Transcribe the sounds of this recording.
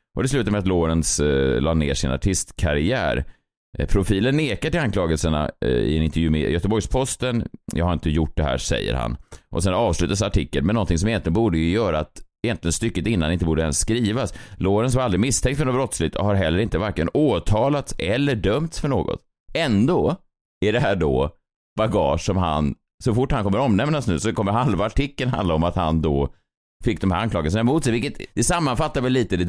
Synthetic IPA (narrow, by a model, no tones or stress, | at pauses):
ʔɔd̪ɛslʉ̟ːt̪amɛat̪loːɾənslɑːnḛːʂɪ̰na̰ʈʰɪst̪kʰaɾɪæ̰ːɾ | pʰɾʊfiːlənːeːkaʈɪlankʰlɑːɡəlsəɳa̰ɪ̰ɛnɪnt̪əɾjʉ̟ːmɛ̰jœt̪əbɔjspʰɔst̪ənjʔɑ̰ɡhaɾɪnt̪əjʊʈ̚d̪ɛhæ̰ːʂɛ̰jːə̰ɾha̰nʔɔsɛnɑːvslʉ̟ːt̪asaʈʰɪkːəlmɛnːɔnt̪ʰɪŋsɔmɪjɛnlɪɡənbuːɖəjɵjœːɾat̪ɛjɛnt̪lɪɡənst̪ʏkːət̪ɪnːanɪnt̪əbuːɖəɛ̰nsskɾiːvasloːɾənsɔvaɾald̪ɾɪmɪst̪ʰɛŋkt̪fœɳnɔbɾɔt̪slɪɡt̪ɔ̰haɾɦɛlːəɾɪnt̪əvæɾkləə̰noːt̪ʰɑːlat̪sɛlːəɖœmt̪sfœɳo̰ːɡɔ̰t̪ | ɛnd̪oː | æɖɛɦæːɖɔ̰ | baɡɑ̰ːʂsɔmɦa̰n | sɔfʊʈːhankʰɔmːəɾɔmnɛmnasnʉ̟ːsɔkʰɔmːəɦalvaaʈʰɪkːənɦa̰nd̪aɔmat̪ha̰nd̪ɔ | fɪkːd̪ɔmhæ̰ɾanklɑːɡəsənaɛmuːt̪sɛjvɪlkət̪d̪̥ɛsamːanfat̪ːaɾvɛlːiːt̪əd̪ɛ